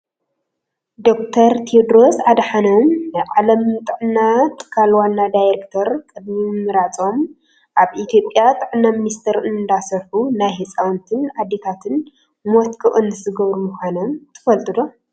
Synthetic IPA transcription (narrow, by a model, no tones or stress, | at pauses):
d̪o̞k̚t̪ʰɐɾt̪ʰiod̪ɾo̞sad̪ɐħanomʕalɐmt̪ʼɨʕnːat̪ʰʼɨ̥kʰalwanːad̪ajɾekt̪ʰɐɾkʼɨd̪mimɨɾat͡sʼo̞m | ʔaβʔit̪ʰjo̞pʼːjat̪ʼɨʕnːaminist̪ʰɐɾɨnd̪asɐɾħunajɦet͡sʼawnt̪ʰɨnʕad̪ːe̞t̪ʰat̪ʰɨn | mɔt̪kʰʼɨʔʼɨnɨzɨɡɐβɾumuxʷanɐmt̪ʰɨ̥fɐlt̪ʼɨd̪o̞